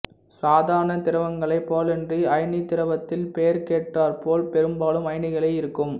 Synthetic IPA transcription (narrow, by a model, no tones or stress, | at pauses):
saːðaːɾɐɳɐt̪ɪɾɐʋɐŋɡɐɭɐɪpːoːlɛndriɐɪnit̪ɪɾɐʋɐt̪ːɪlpejɐɾkeːʈːaːɾpoːlpɛɾɯmbaːlɯmɐɪnɪɣɐɭɐɪɪɾɯkːɯm